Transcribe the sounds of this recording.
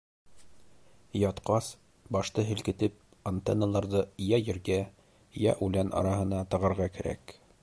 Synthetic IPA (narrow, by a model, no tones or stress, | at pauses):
jɑt̪qɑs | bɑʃt̪ɤɦɘ̆lkɘ̆t̪ɘp̚ | ant̪enːəlˠɑɾðɤjɑjɘ̆ɾɡæ | jɑ̰ʔʉlænʔɑ̰ɾɑhɤ̆nɑt̪ɤ̆ʁɑ̆ɾʁɑkæɾæ̰k